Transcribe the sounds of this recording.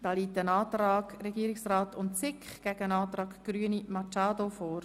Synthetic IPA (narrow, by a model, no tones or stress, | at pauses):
d̥ɑːliːtənɑːtrɑːɡɾɛɡiːɾɪksraːtʊntt͡sɪkχɡ̥æɡənɑːt̪ɾɑːɡɡ̥ɾyːənimɑt͡ʃɑːdofoːɾ